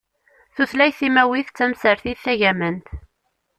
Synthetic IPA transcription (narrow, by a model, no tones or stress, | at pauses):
θuθlæjθimæwiθt͡sːæmsəɾθiðθæʝæmənt̪